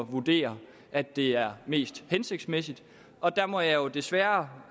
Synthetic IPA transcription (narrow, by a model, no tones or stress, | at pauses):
ʋud̥e̝̰ːɐ | ʔæd̥e̝æɐme̝̰ːsd̥hense̝ɡ̥d̥smesid̥ | ʔɒ̽d̥æmɒ̽jɑ̈jo̝d̥e̝sʋæːɐ